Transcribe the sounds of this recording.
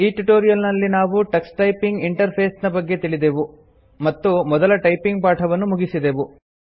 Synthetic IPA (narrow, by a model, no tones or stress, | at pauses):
iːʈuʈoːɾijɐlnɐlːinaːʋuʈɐksʈɐjpiŋɡiɳʈɐɾpʰeːsnɐbɐɡːe̞t̪iɭid̪eʋu | mɐt̪ːumɔd̪ɐlɐʈɐjpiŋɡ̚paːʈʰɐʋɐnːumuɡisid̪e̞ʋu